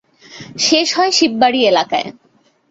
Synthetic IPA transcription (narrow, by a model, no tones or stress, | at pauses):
ʃeʃɦɔeʃibːaɽielakae